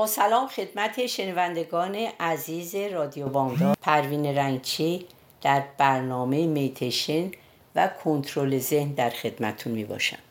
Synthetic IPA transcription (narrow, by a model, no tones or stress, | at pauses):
bɒːsælɒːmxe̞d̪̥mæt̪ʰe̞ʃe̞nævænd̪e̞ɡɒːne̞ʔæziːze̞ɾɒːd̪ijobɒːŋd̪ɒːpʰæɾviːneɾæŋɡt͡ʃʰi | d̪̥æɾb̥æɾnɒːmejemejt̪ʰeʃen | vækʰont̪ʰɾole̞ze̞hnd̪æɾxe̞d̪mæt̪ʰunmiːbɒ̰ːʃæ̰m